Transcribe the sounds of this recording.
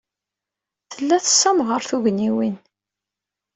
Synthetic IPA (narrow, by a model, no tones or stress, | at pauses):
θəlːæθə̥sːæmʁəɾθuʝəniwin